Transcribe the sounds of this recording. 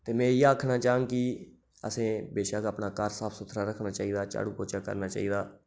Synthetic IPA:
t̪eːmɛ̃ːjaːəkʰnaːt͡ʃaːãːŋɡki | ə̰sẽːbeːʃaːkːəpnaːkəɾsaːpʰsʊt̪ʰɾaːɾəkʰnaːt͡ʃaːiːd̪aːt͡ʃa̰ːɽuːpoːt͡ʃaːkə̰ɾnaːt͡ʃa̰ːiːd̪aː

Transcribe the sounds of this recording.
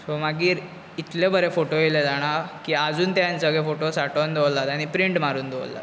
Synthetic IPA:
somaɡiːɾ | it̪lebəɾefoʈojeled͡zaɽ̃akiːad͡zuːnt̪jant͡səɡefoʈosaʈənd̪eʋlat̪aɽ̃ipɾiɳʈmaɾuːnd̪ḛlːa̰t̪

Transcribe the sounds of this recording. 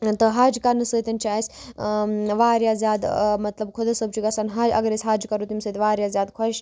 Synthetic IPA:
t̪əɦaːd͡ʒkɐnːɨsəːt̪ʲɐnt͡ʃaːisʲ | ʋaːɾjaːzʲjaːd̪mɐt̪lɐbkʰod̪ɐsəb̚t͡ʃiɡɐsanɦaːd͡ʒʲɐ̰ɡɐɾesʲɦaːd͡ʒkɐɾut̪imsəːt̪ʲʋaːɾʲjaːzjaːd̪kʰɐʃ

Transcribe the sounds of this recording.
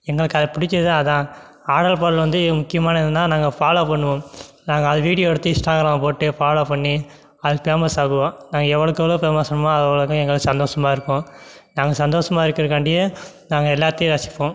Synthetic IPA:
ɛŋɡɐɭɯkːɐðɐpɪɽɪt͡ʃːɐðɯaɐðãː | aːɽɐlpaːɽlʋɐnd̪ɯmʊkːɪjɐmaːnɐɪnd̪ɯnːaːnaːŋɡɐpaːɭɐpɐɳːɯʋõː | naːŋɡɐːðɐʋiːɽɪjoːɛɽɯt̪ːɯɪsʈaːɡɾaːmpoːʈːɯpaːɭɐpɐɳːi | ɐðɯkːɯpeːmɐsaːɣɯʋãːnaːŋɡɐɛʋːɐɭɯkːɐʋɐɭoːpeːmɐsɐɳmaːɐðɐʋɐɭɯkːɐ̃ɛŋɡɐɭɯkːsɐnd̪oːʂɐmaːɪɾɯkːõː | naːŋɡɐsɐnd̪oːʂɐmaːɪɾɯkːɪɾɯkːaɳɖɪjɐ | naːŋɡɐɛlːaːt̪ːɐj̃ɾɐsɪ̥pːõː

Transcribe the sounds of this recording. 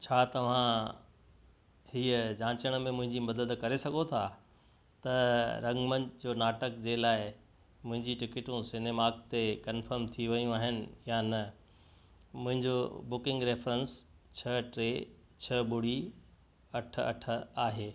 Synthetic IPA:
t͡ɕʰaːt̪ɐʋ̤ã | hiːəd͡ʑãːt͡ɕəɽ̃mẽmʊ̃ɦɪ̃ɲd͡ʑimɐd̪əd̪kɐɾesɐɡʱot̪ʰaː | t̪ɐɾɐ̃ŋɡmə̃nd͡ʑoːnaːʈəkd͡ʑeːlaːɪ | mʊ̃ɦɪ̃ɲd͡ʑiʈɪkɪʈũsɪnemaːk̚t̪ekɐnfəɾmt̪ʰiʋɐjũaːɦɪnɪ̆janɐ | mʊ̃ɦɪ̃ɲd͡ʑo̰bʊkɪ̃ŋɡɾeːfɾəns | t͡ɕʰɐʈɾeː | t͡ɕʰɐbʊɽ̤i | ɐʈʰəɐ̰ʈʰə̆aːɦeː

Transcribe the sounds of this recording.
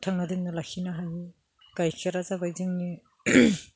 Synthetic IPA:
tʰaŋnadiŋnalakʰinaɦaj | kajkʰaɾazabajzɯŋni

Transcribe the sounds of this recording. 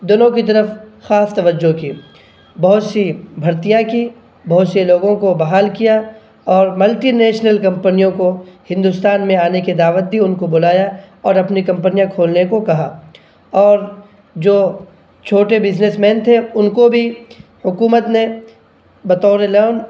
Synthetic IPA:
d̪ʊnõkit̪̬ɐɾəfxaːst̪ɐʋəd͡ʒːokiː | bɐɦʊt̪sibʱɐɾt̪ijaki | bɐɦʊt̪seloːɡõkobɐɦaːlkija | ɔːɾmɐlʈinɛːʃnəlkɐ̃mpənijõkohɪ̃nd̪ʊst̪aːnmẽaːneked̪aːʋət̪̚bʱiʊnkobʊlaːja | ɔːɾɐpnikɐ̃mpənijãkʰoːlnekokɐɦaː | ɔːɾ | d͡ʒoː | t͡ʃʰoːʈebɪznesmɛ̃ːnt̪ʰeʊnkobʱi | hʊkuːmət̪ne | bɐt̪ɔːɾeloːn

